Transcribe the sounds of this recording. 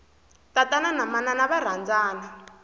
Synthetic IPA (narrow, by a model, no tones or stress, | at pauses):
tatananamananaβar̤and͡zaːna